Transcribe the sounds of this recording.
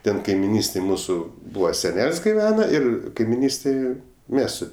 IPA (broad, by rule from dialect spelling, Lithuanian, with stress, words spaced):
ˈtʲɛn kɐɪmʲɪˈnʲiːsʲtʲeːj ˈmuːsʊ ˈbuːʋɐ sʲɛˈnʲɛlʲsʲ ɡʲɪˈʋʲæːnɐ ɪr kɐɪmʲɪˈnʲiːsʲtʲeːj ˈmʲɛs sʊ